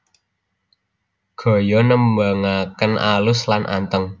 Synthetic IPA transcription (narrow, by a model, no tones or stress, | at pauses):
ɡ̥ɔ̤jɔnəmbaŋakənʔalʊslanʔa̰nt̪əŋ